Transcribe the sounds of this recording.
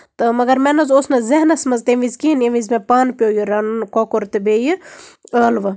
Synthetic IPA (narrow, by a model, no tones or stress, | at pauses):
t̪ɨmɐɡɐɾmenɐzoːsnɐzɐɦnɐsmɐzt̪eʋizkinjɐʋizmepaːnpʲjoːjuɾɐnnkoːkoɾt̪ɨbejəəːlʋɨ